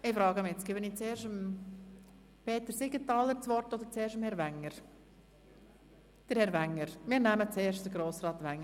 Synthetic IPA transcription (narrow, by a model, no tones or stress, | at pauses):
ɪfɾɑːɡəmɪɛt͡sɡ̥ɪːbəniːt͡seːɾʃəm | pʰeːtəɾsiɡətɑːləɾt͡sʋɔɾtod̪əɾt͡seːɾʃəmhɛɾvæŋːəɾ | d̥əɾhɛɾʋæŋːəɾmɪːɾnæmət͡seːɾʃtd̥əɾɡɾoːsrɑːt̪ʋɛŋːə